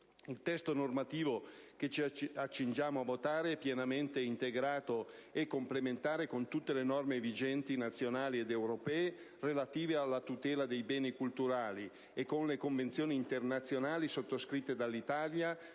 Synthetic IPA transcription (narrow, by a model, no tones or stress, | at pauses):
ilt̪ɛst̪onormat̪iːvoket͡ʃiat͡ʃːind͡ʒjaːmoavːot̪aːɾeɛpːjɛnament̪eint̪eɡɾaːt̪oɛkːomplement̪aːɾekont̪ut̪ːelenɔrmevid͡ʒɛnt̪inat̪sːjonaːlied̪ewɾopɛːe | relat̪iːvealːat̪ut̪ɛːlad̪ejbɛːnikult̪uɾaːli | ekːonlekoɱvent̪sjoːniːnt̪ernat̪sːjonaːlisot̪ːoskɾit̪ːed̪alːit̪aːlja